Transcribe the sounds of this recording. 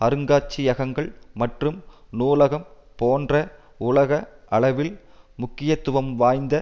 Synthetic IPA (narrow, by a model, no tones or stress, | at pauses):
ɐɾɯŋɡaːt͡ʃːijɐɣɐŋɡɐɭmɐʈrɯmnuːlɐɣɐm | poːndrɐ | ʊlɐɣɐʔɐɭɐʋɪl | mʊkːɪjɐt̪ːʊʋɐmʋaːjnd̪ɐ